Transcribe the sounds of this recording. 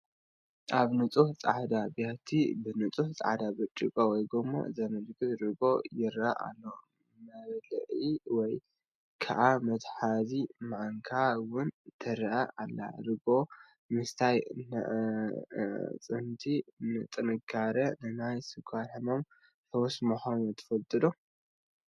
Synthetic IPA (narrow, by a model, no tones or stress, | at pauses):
ʔaβnɨt͡sʼuħt͡sʼa̰ʕd̪abjat̪ʰibɨnɨt͡sʼuħt͡sʼa̰ʕd̪abɐt͡ʃʼːɨkʼowɔjɡomːo̰zɐmɨd̪ɡɨt̪ɾɨɡo̞jɪɾʔaʔa̰lːo | mɐɾlʔiwɔj | kʰa̰ʔamɐt̪ħazimaʕaŋkʰawʊnt̪ʰɐɾʔaʔalːa̰ɾɨɡo̞ | mɨst̪ʰajnɐ̰ʔ | t͡sʼɨnt̪ʰinɨt̪ʼɨnɨɡaɾɐnɨnajsɨkʰʷaħɨno̞m | t̪ʰɐwɔsmuxonut̪ʰɐ̥fɐlt̪ʼɨd̪o